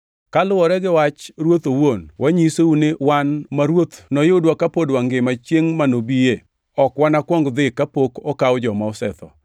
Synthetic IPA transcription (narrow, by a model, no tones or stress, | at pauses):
kalʊwɔɾɛɡɪwat͡ʃɾwot̪owonwʔaɲiseunewanmaɾwot̪nɔjʊdwakapodwaŋɡɪmat͡ʃjeŋmanobie | ɔkwanakwɔŋɡd̪ɪkapokɔkawd͡ʒɔmaɔsɛt̪ɔ̰